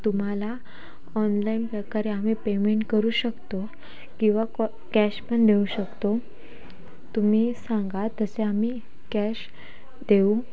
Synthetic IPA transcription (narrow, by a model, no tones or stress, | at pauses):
t̪um̤ala | ɔnlainpɾəkaɾeam̤ipemeɳʈkəɾuːɕəkt̪o | kĩw̃ʋa | kæɕpəɳd̪ʱeuɕəkt̪o | t̪umiːsãŋɡat̪əseamiː | kɛɕ | d̪euːm